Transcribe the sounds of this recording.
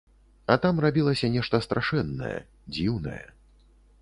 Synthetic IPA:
ɐt̪amrabʲilˠɐsʲɐnʲɛʂt̪ɐst̪ɾaʂɛnːɐ̰jɛ̰ | d͡zʲiwnɐ̰jɛ̰

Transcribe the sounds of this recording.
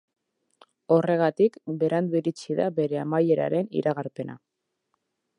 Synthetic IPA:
o̞re̞ɣ̞at̪ikbe̞ɾand̪uiɾit͡siðabe̞ɾe̞amaje̞ɾa̰ɾe̞nḭɾaɣaɾpe̞na̰

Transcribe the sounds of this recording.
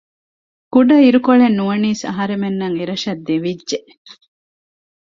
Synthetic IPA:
kuɖɐiɾukoɭenːuʋɐniːsɐ̰ɦɐɾemenːɐŋeɾɐʃɐd̪ːeʋidʒeʔ

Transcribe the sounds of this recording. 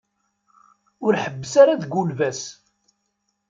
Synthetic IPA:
ʊɾħəbːəsaɾaðɡulvæs

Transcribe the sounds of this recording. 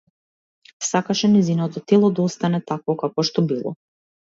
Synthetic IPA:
sakaʃɛnɛzinɔt̪ɔt̪ɛlˠɔd̪aost̪anɛt̪akvɔkakɔʃt̪ɔbilˠɔ̰

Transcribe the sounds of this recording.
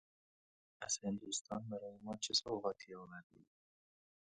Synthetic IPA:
æz̥he̞nd̪uːst̪ʰɒːnbæɾɒːjemɒːt͡ʃʰesoːʁæːt̪ʰiːɒːmæɾd̪ṵːd̪̥

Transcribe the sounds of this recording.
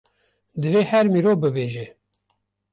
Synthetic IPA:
d̪ɨveːhɛɾmiːɾoːbɨbeːʒe

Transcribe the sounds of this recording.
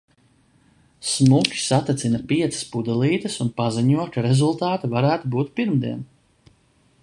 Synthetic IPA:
smukʲi̥sat̪ɛt̪sinɐpiɛt̪sɐ̥spud̪ɛlˠiːt̪ɐsunpaziɲuɔkaɾezulˠt̪aːt̪avaɾæːt̪ubuːt̪piɾmd̪iɛn

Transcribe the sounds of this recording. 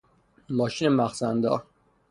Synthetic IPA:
mɒːʃiːnemæxsænd̪ɒ̰ːɾ

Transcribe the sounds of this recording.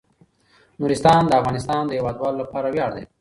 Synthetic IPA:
nuɾɪst̪ɑnd̪əafɣɑnɪst̪ɑnd̪əjawɑd̪wɑlolapɑɾawjɑɽd̪ḛ

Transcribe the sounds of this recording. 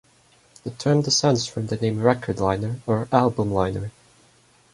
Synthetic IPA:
ðɨtʰɜ̃˞mdɨsɛ̃ndz̥fɹʌ̃mðɨnẽɪ̃mɹɛkʰə˞dˡlãɪ̃nə˞ə˞ælˠbə̃mlãɪ̃nə˞

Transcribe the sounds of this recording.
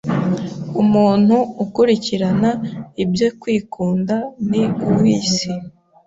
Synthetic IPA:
umuːn̥huːkuɾiciɾanaibjokwiːkʰuːndaniuwiːsi

